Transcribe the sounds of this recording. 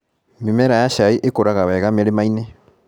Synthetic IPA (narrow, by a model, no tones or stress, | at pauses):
mimɛɾajaʃaiʔekoɾaɣawɛɣameɾemaine